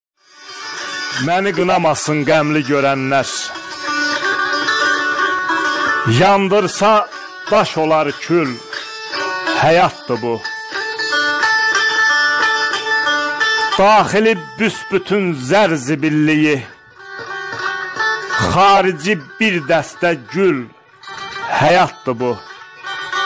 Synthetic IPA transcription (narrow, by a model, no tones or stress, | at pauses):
mæniɡɯnɑmɑsɯnɡæmliɟøɾænːæɾ | jɑnd̪ɯɾsɑ | d̪̥ɑʃo̞lˠɑɾcʰyl | hæjɑt̪̚d̪ɯbu | d̪̥ɑːχilibysbyt̪ʰynzæɾzibilːiji | χɑːɾid͡ʒibiɾd̪æst̪æɟyl | hæjɑt̪̚d̪ɯbu